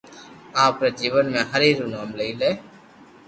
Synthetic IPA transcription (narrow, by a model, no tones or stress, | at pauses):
aːpɾeːd͡ʒiːʋənmẽːɦəɾiːɾuːnaːmləiːleː